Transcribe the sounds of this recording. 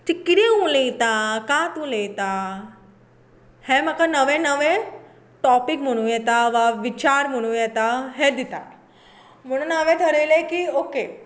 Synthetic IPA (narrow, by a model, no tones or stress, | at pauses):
tikɪɽeũlẽt̪akaːt̪ũlet̪a | hẽmãkʰanɐʋẽnɐʋẽ | ʈɔːpɪkmuɽ̃ũjet̪aʋaʋɪt͡ɕaːɾmuɽ̃ũet̪aɦed̪ɪt̪a | mʊɽ̃ənaʋẽt̪ʰɐɾelekioːke